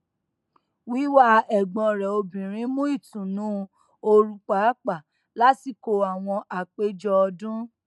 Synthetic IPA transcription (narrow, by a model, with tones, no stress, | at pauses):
wi˨˦wa˦ɛ˨ɡ͡bɔ̃˧ɾɛ˨o˧bĩ˨ɾ̃ĩ˨˦mũ˦i˦˨tũ˨nũ˨˦ | o˧ɾu˧k͡pa˨˦k͡pa˦˨ | la˦ti˦˨ko˧a˨w̃ɔ̃˧ʔa˨k͡pe˦d͡ʒɔ˦ɔ˧dũ˦